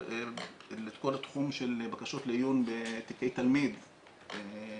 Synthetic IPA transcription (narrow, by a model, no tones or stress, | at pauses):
let̪kolat̪χumʃelbakaʃot̪lejunbet̪ikejt̪almid̪